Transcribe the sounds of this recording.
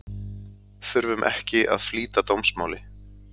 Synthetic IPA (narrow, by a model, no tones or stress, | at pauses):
θʏɾvʏmʔɛ̰hcɪʔa̰ðfliːt̪at̪owmsmaːwlɪ